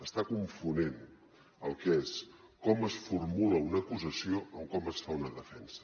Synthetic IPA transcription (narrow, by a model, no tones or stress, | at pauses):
əst̪akuɱfunen | əlˠkeskɔməsfurmuləunəkuzəsioʔəmkɔməsfaunəðəfɛnsə̥